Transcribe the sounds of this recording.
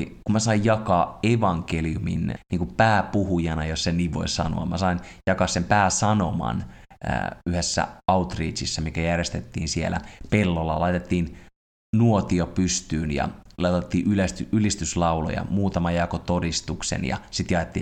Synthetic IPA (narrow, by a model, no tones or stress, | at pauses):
kumæsɑijjɑkɑːeʋɑŋkeliumḭnniːŋkupæːpuhujɑnɑjosseniːʋʋo̞̰isɑ̰no̰ɑ̰mæsɑinjɑkɑːsempæːsɑnomɑ̰n̰ | yhesːæ̰ɑut̪riːt͡ʃisːɑmikæjærjest̪et̪ːḭːnsielæ̰pelːolːɑ̰lɑit̪et̪ːiːn | nuot̪iopyst̪yːnjɑ̰lɑɑt̪ːiːʔylest̪yylist̪yslɑulo̰jɑ̰muːt̪ɑmɑjɑkot̪odist̪uksḛnjɑ̰sit̪jɑet̪ːḭː